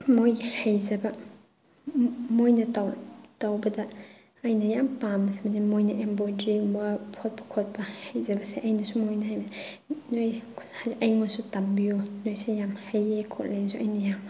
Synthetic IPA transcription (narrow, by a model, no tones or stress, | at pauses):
mojhajzɐbɐ | mojnɐtawtawbɐdɐ | ɐjnɐjampamɐsemɐnimojnɐʔembɔdɾiŋbapʰɔt̚pʰɔ̥kʰɔt̚bɐhajzɐbɐseʔɐjnɐsumojnɐhajba | nojʰhaʔɐjŋɔsutambijonojsejamhɐjejkʰɔtlensuʔɐjnɐjam